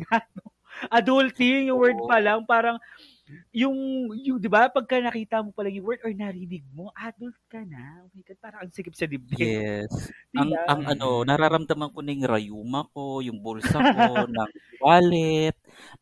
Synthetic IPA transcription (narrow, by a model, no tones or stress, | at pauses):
ɡano | ʔɐd̪ʊlt̪ɪŋjʊŋwɛɹd̪̚pɐlɐŋpaːɾɐŋ | jʊŋjʊd̪ɪbapɐɡ̚kɐnɐkiːt̪ɐmo̞pɐlaŋjʊŋwɛɹd̪oɹnɐɾɪnɪɡ̚mo̞ʔad̪ʊlt̪̚kɐnaʔowiːkɐn̚paːɾɐŋɐŋsɪkɪp̚sɐd̪ɪb̚d̪ɪjɛsɐŋɐŋɐno̞nɐɾaɾɐmd̪ɐmɐŋkonɐjʊŋɾɐjuːmɐko̞jʊŋbulsɐkonɐŋbaːlɛt̪̚